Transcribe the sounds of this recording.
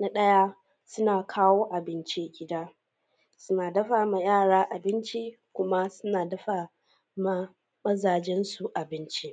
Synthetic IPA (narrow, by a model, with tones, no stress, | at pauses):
na˦ɗɐ˦ja˦ | sʊ˦naː˨kʰaː˦woː˦ʔa˨bɪ˦nt͡ʃi˦ɡʲɪ˦daː˦ | sʊ˦naː˨dɐ˦ɸaː˨ma˨jaː˦˨ɽaː˦ʔa˨bɪ˦nt͡ʃi˦ | kʷʊ˦ma˦sʊ˦naː˨dɐ˦ɸaː˨ | ma˦ | mɐ˦zaː˨d͡ʒɛ˦nsu˨ʔa˨bɪ˦nt͡ʃi˦